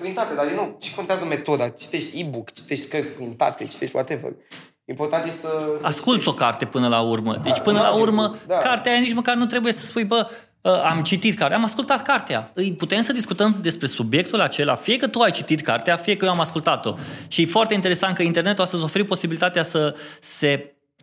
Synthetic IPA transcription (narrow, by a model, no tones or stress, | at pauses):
t̪ɾinit̪at̪ed̪aɾd̪inowt͡ʃe̥kont̪eazəme̞t̪o̞d̪at͡ʃi̥t̪eʃt̪ʲibukt͡ʃi̥t̪eʃt̪ʲkərt̪sʲt̪ɾint̪a̰t̪et͡ʃi̥t̪eʃt̪ʲat̪evə̰l | impo̞rt̪ant̪jessəaskult̪sʲo̞kart̪e̞pɨnəlaurmə̰d̪et͡ʃpɨnəlaurməakart̪eajanit͡ʃməkarnut̪ɾe̞buje̞sə̥spujbə | əʔamt͡ʃit̪it̪kaɾt̪eamaskult̪at̪kart̪ea̰ɨjput̪e̞msəd̪iskut̪əmd̪e̞spɾe̞subje̞k̚t̪ulat͡ʃe̞la̰fijekət̪uajt͡ʃit̪it̪ka̰rt̪eafijekəjoamaskult̪at̪o̞ʃijefoart̪eint̪eɾesant̪kəint̪e̞rne̞t̪uast̪əzʲo̞feɾipo̞sibilit̪at̪easəse̞